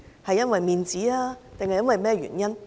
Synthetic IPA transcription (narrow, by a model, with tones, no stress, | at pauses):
hɐ˨jːɐ˥nwɐ˨jmiː˨˧nt͡siː˨˥aː˧t̪ɪ˨ŋhɐ˨jɐ˥nwɐ˨jmɛː˥ɥy̰ː˨˩njɐ˥n